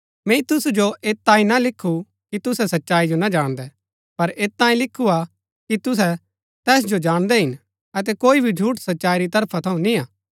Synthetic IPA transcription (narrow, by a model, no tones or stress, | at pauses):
mɛ̃ːĩt̪ʊsud͡ʒoʔeːtt̪ːãːĩnalɪkʰːu | kit̪ʊsɛsɐtːʃaːid͡ʒonad͡ʒaːɽ̃d̪ɛ | pɐɾeːtt̪ãːĩlɪkʰːua | kit̪ʊs̬ɛ | t̪ɛːs̬d͡ʒod͡ʒaːɽ̃d̪ɛɦɪn | ɐt̪̬ɛkoːibʱid͡ʒʱuːʈsɐtːʃaːiɾit̪ɐɾpʰat̪ʰɐũnĩaː